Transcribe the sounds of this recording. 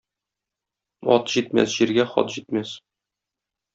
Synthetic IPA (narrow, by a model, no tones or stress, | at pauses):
ɒ̰t̪ʑit̪̚mæ̰sʑiɾɡæχɒ̰t̪ʑit̪mæs